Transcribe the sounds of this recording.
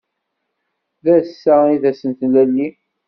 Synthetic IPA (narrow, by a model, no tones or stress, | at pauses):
ðæsːæiðæsənt̪lælːi